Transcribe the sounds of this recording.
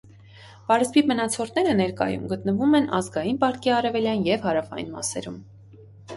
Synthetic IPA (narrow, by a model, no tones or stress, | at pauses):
pɑɾəzbipmənɑt͡sʰɔɾnɛɾənɛɾkɑ̰jṵmɡət̪nəvumɛnɑ̰zɡɑjinpɑɾkiɑrɛvɛljɑnjɛvhɑɾɑfɑ̰jḭnmɑ̰sɛ̰ɾum